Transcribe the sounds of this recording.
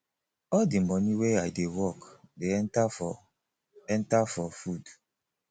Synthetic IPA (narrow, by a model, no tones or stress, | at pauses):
ɔldimɔniweajdewɔkdeɛntafɔ | ɛ̃ntafɔfud